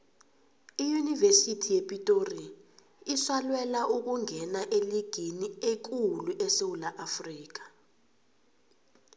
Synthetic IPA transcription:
ijunivesitʰijepʼitʼori | iswalwɛlaʔuk̬uŋʱɛnaʔeliɡ̥ʱiniek̬uluʔɛsewulaʔafriːk̬ḁ

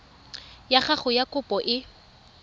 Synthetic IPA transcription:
jaχaχʊjakʼʊpʼɔʔɪ

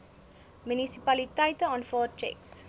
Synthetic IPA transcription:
mynisipɐlitəjtəɑːnfɑːr̚t͡ʃɛ̰ks

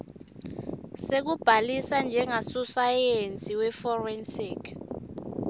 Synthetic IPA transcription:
sek̬ub̥ʱalisand͡ʒʱɛŋasusajent͡sʼiwɛfɔrɛnsiːkʰ

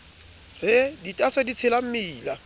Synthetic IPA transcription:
rɪditʼaswedit͡sʰɪlam̩miːla

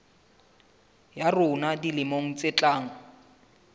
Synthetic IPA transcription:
jarʊnadilɪmoŋ̩t͡sʼet͡ɬʼaːŋ̩

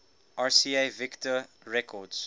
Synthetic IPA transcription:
ʔasiːevɪktə | ɹɛkʰɔds

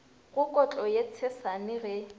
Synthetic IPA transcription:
ɣʊkʼɔt͡ɬʼɔjet͡sʰɛsanɪɣɛ

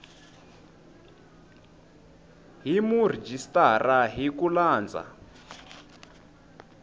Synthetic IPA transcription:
ɦimurid͡ʒistʼaraɦikulaːnd͡za̰

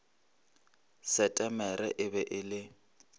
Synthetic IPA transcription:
sɛtʼɛmɛɾɛʔɪbɛʔɪlɪ

